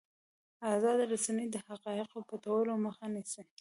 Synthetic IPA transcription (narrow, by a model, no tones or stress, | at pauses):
azɑd̪ɾasanəjd̪əhaqɑɪqopat̪awəloməxanisi